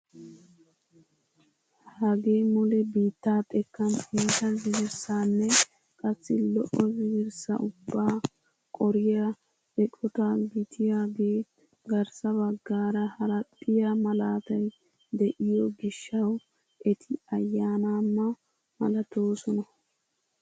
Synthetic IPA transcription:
hɐɡe̞ːmɔlɛbiːt̪ːaːt̪ʼɛkːɐniːt̪ɐzɪɡɪɾsaːnːɛ | kʼɐsːɪlɔʔɔzɪɡɪɾsɐ̰ʊbːaː | kʼɔɾɪja | ɛkʼɔt̪aɡɪt̪ʰɪjaːɡeː | ɡɐɾsɐβɐɡːaːɾɐhɐɾɐt̪ʼːɪjamɐlaːt̪ɐj | d̪ɛʔɪjɔɡɪʃːɐw | ʔɛt̪ʰɪɐjːaːnaːmːɐ | mɐ̰lɐt̪oːsɔnɐ

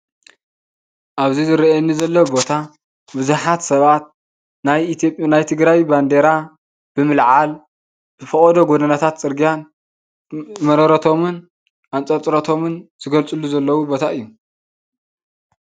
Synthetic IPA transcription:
ʔaβzizɨɾɐʔɛnːizɐlːɐwbo̞t̪ʰa | bɨzuħat̪sɐβat̪̚ | najipʼnajt̪ʰɨɡɾajband̪e̞ɾa | b̥ɨmɨlʕal | bɨfɐkʼɐd̪oɡod̪ɐnat̪ʰat̪t͡sʼɨɾɡijan | mɐɾɐɾɐt̪ʰo̞mɨn | ʔant͡sʼɐt͡sʼɾɐt̪ʰo̞mɨnz̥ɨɡɐlt͡sʼɨlːuzɐlːɐwubo̞t̪ʰaʔɨjːu

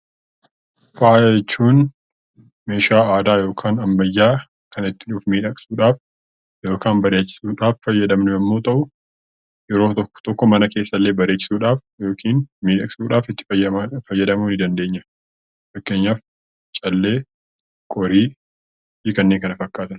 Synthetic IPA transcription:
faːjɛt͡ʃːuːn | meːʃaːaːd̪aːjo̞ːkʰaːnɐmbɐjːaː | kɐnɪt̪ːɪᶑuːfmiːᶑɐkʼsuːᶑaːf | jo̞ːkaːnbɐɾeːt͡ʃːɪ̥suːᶑaːffɐjːɐd̪ɐmnʊɐmːo̞ːt̪ʼɐʔʊ | jɛɾo̞ːt̪ɔ̥t̪ɔkːɔmɐnɐke̞ːsːɐlːeːbɐɾeːt͡ʃːɪ̥suːᶑaːf | jo̞ːkʰiːnmiːᶑɐkʼsuːᶑaːfɪt̪ːɪ̥fɐjːɐd̪ɐmuːnɪd̪ɐnd̪e̞ːɲːɐ | fɐkːeːɲːaːf | t͡ʃʼɐlːe̞ː | kʼɔɾiː | iːkɐnːeːŋkɐnɐfɐkːaːt̪ɐn

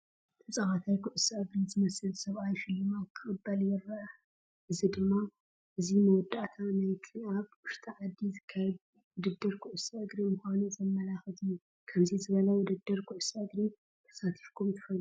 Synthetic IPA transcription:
t̪ʰɐt͡sʼɐxat̪ʰajkʰuʔʊsaʔɨɡɾizɨmɐsɨlsɐβʔajʃɪlːɨmakʰɨkʼɨbːɐljɪɾːɐʔɐ | ʔɨzid̪ɨmːa | ʔɨzinɐwɔd̪ːaʔt̪ʰanajt̪ʰiʔaβwʊʃt̪ʰʼaʕad̪ːizɨkʰːɐd | wʊd̪ɨd̪ːɨɾkʰʊʔʊsaʔɨɡɾimʊxʷanuzɐmːɐlaxɨt̪ʰɨjːu | kʰɐmzizɨβɐlɐwʊd̪ɨd̪ːɨɾkʰuʔsaʔɨɡɾi | t̪ʰɐ̥sat̪ʰi̥fkʰumt̪ʰɨ̥fɐlu

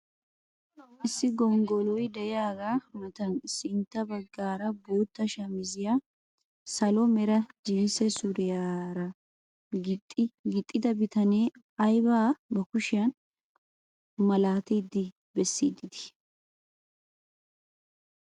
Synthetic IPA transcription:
ʔɪsːɪɡɔŋɡɔlɔjd̪ɛjaːɡaːʊnɐt̪ɐnsɪnt̪ːɐbɐɡːaːɾɐboːt̪ːɐʃɐmɪzɪjaː | sɐlɔmɛɾɐd͡ʒɪnsɛsʊɾɪjaːɾɐ | ɡɪt̪ʼːɪd̪ɐbɪt̪ɐneː | ɐjbaːbɐkʊʃɪjɐn | mɐlaːt̪id̪ːɪ | bɛsːiːd̪ɪd̪ɪ̥

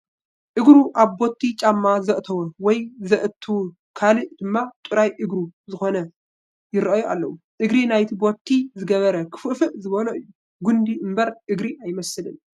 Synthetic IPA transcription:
ʔɨɡɾuʔaβbot̪ʰːit͡ʃʼamːazɐʔt̪ʰɐwɐwɔjzɐʔɨt̪ʰːuw | kʰalɨʔd̪̥ɨmːat̪ʼuɾajʔɨɡɾuzɨxo̞nɐ | jɪɾɐʔɐjoʔa̰lːɐwuʔɨɡɾinajt̪ʰibot̪ʰːizɨɡɐβɐɾɐkʰɨ̥fufɨʔzɨβɐloɨjːu | ɡund̪iʔɨmbɐɾʔɨɡɾiʔajmɐsɨlɨn

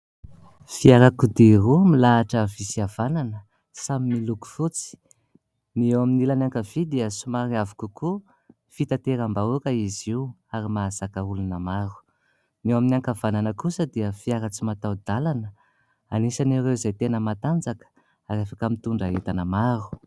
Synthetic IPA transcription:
fiaɾakud̪irumilaːʈ͡ʂəvisiav̥ananə | samimiluku̥fut͡si̥ | niewaminilanaŋkavid̪iəsumaɾiavu̥kuku | fit̪at̪eɾambaukaiziw | aɾimazakaulunəmaɾu̥ | newaminiaŋkavananəkusəd̪iəfiaɾat͡simat̪awd̪alanə | anisaniɾezajt̪enəmat̪and͡zakə̥ | aɾafakəmit̪uɳɖ͡ʐaɦet̪anamaɾu̥

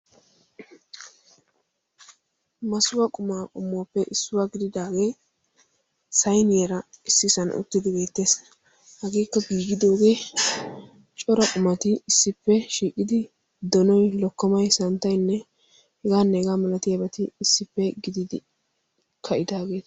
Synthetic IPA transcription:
mɐsʊwɐkʼʊmaːkʼʊmːoapːɛʔɪsːʊwaːɡɪd̪ɪd̪aːɡe̞ː | sɐjnɪjɛɾɐɪsːɪsɐn̰ʔʊ̰t̪ːɪd̪ɪbe̞ːt̪ːe̞ːs | hɐɡeːkːɐɡiːɡɪd̪o̞ːɡe̞ː | t͡ʃʼɔɾɐkʼʊmɐt̪ɪɪsːɪpːɛʃiːkʼːɪd̪ɪ | d̪ɔnɔjlɔkːɐmɐjsɐnt̪ːɐjnːɛ | hɛɡaːnːɛɛɡaːmɐlɐt̪ɪjɐbɛt̪ɪɪsːɪpːɛɡɪd̪ɪd̪ɪ | kʰɐʔɪd̪aːɡe̞ːt̪

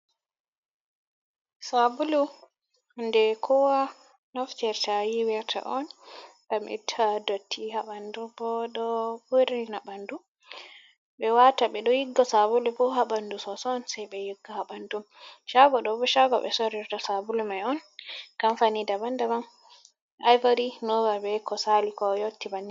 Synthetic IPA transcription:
sabulu | ndɛkʰɔwa | nɔft͡ʃɛɾtawiwɛɾtʰa̰ʔɔnɡamʔḭtʰːadotʰːihaɓandubɔɗɔbuɾinaɓandu | bɛwataɓɛɗɔjiɡːɔsabulɛbɔɦabandusɔsɔnsajbɛjiɡːɔhabandumʃaɡɔɗɔbɔʃaɡɔ̰ɓɛ̰sɔɾɛɾtɔsabulumajɔnɡ̥amfanidabandamam | ʔajvaɾinɔvabɛkɔsalikɔjotːibanːi

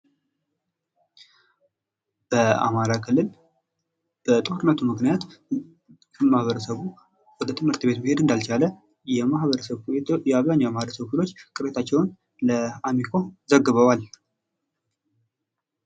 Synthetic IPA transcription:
b̥əa̰maɾakʰɨlːɨl | b̥ət̪ʼohuɾnːət̪ʰumɨknijat̪ | kʰəmahβəɾəsəβu | wɔd̪ət̪ʰɨmhɨɾt̪be̞t̪mihe̞d̪ɨnd̪alt͡ʃalə | jɛmahβəɾəsəβjɛaβzaɲːawmahɾəsəβkʰɨlo̞t͡ʃːkʼɨɾet̪ʰat͡ʃːɛwn | ləamikʰo̞zəɡɨβəwal

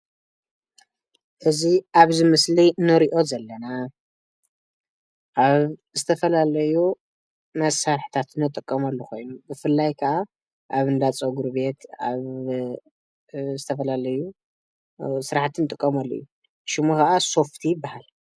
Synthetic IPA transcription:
ʔɨziʔaβzɨmɨslinɨɾiʔo̞zɐlːɐna | ʔaβzɨt̪ʰɐfɐlalɐju | mɐsaɾħt̪ʰat̪nɨt̪ʼːɨkʼːɐmɐlːukʰo̞jnubɨfɨlːajkʰɐʔa | ʔaβɨnd̪at͡sʼoɡuɾβe̞t̪a̰β | zɨt̪ʰɐfɐlalɐju | sɨɾaħat̪ʰɨnɨt̪ʼɨkʼːɐmɐlːojːu | ʃɨmukaʔaso̞ft̪ʰijɪbːahal

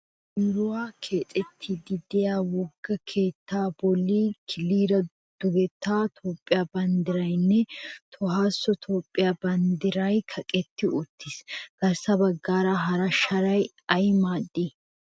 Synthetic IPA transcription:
ɾʊwaːkʰe̞ːt͡sʼɛt̪ʰːɪd̪ɪd̪ɛjaːwɔɡːɐkʰe̞ːt̪ːaːbɔlːikʰɪlːiːɾɐ | d̪̥ʊɡɛt̪ːaːt̪ʰoːpʼːɪjabɐnd̪ɪɾɐjnːɛt̪ʰɔhaːsːɔt̪ʰoːpʼːɪjabɐnd̪ɪɾɐjkʰɐkʼɛt̪ːɪʊt̪ʰːɪsɡ̥ɐɾsɐbɐɡːaːɾɐɦɐɾɐʃɐɾɐj | ɐjmaːd̪ːi

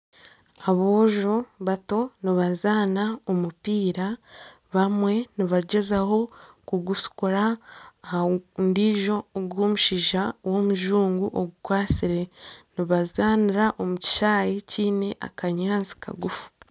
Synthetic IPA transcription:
aβoːʒoβato̞niβazaːnaomupiːɾa | βamwe̞niβaɟe̞zaho̞ | kuɡusu̥kuɾa | ndiʒo̞ːɡwoːmuʃiʒawo̞muʒuːŋɡuʔoɡukwaːt͡siɾe̞niβazaːniɾaʔo̞muci̥ʃaːjiciːne̞ʔa̰kaɲaːnzi̥kʰa̰ɡufu̥

